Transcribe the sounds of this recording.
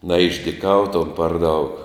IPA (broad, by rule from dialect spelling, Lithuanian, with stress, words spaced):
nɐɪʒʲdʲɪˈkɐʊtoːm pɐr dɐʊk